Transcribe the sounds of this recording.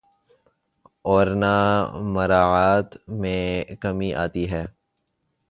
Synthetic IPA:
ɔːɾnamɐɾaːaːt̪mẽkɐmiʔa̰ːt̪iɦɛː

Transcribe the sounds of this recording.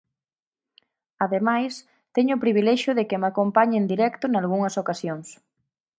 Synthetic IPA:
aðemajs | t̪ɛɲʊpɾiβilɛʃʊðekɪmakompaɲend̪iɾɛkt̪ʊnalɣuŋɐsokasjoŋs

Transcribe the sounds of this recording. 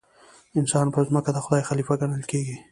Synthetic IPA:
ɪnsɑnpəzməkad̪axʊd̪ɑjxalifaɡaɽəlkeɡi

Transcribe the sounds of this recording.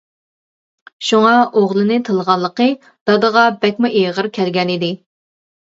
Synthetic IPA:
ʃuŋɑʔoʁlˠɨnɨt̪ʰəlˠʁɑnlˠːəqə | d̪̥ɑd̪əʁɑbɛkʲmuʔeʁəɾkʲʰɛlɡʲɛnid̪ɪ

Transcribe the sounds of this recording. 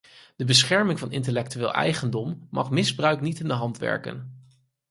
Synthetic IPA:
d̥əbəsχɛɹmɪŋvɑnɪ̰ntəlɛk̚tyʋɪːlˠʔɛ̰jχəndɔmːɑ̰χmɪzbrœɥknitɪndəɦɑntʋɛ̰ɹkə̰n

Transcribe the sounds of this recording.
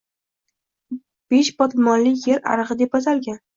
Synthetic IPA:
b̥eʃbɒt̪mɒnlɪkʲjeɾa̰ɾɨʁɨd̪e̞p̚asalɡʲan

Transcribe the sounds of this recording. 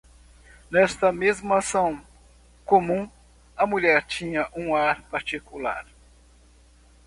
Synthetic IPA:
nɛst̪ɐmezmɐasɐ̃w̃ | kõmũ | ɐmuʎɛɾt͡ʃĩɲɐʔũaɾpaɾt͡ʃikula̰ɾ

